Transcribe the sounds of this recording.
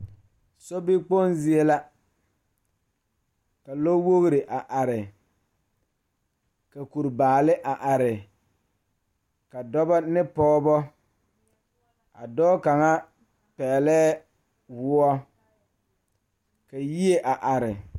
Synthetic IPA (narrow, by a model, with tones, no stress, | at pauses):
sɔ˦bi˦k͡po˦nzi˦e˦la˦ | ka˨lo˦wo˦ɣɾɪ˨ʔa˨ʔa˨ɾɪ˨ | ka˨ku˨ɾbaː˨lɪ˦ʔa˨ʔa˨ɾɪ˨ | ka˨dɔ˦bɔ˦nɪ˦pɔː˦bɔ˦ | a̰˨dɔː˦ka˨ŋa˦ | pɛː˨lɛː˦ | wʊ˦ɔ˦ | ka˨ji˦e˦ʔa˨ʔa˨ɾɪ˨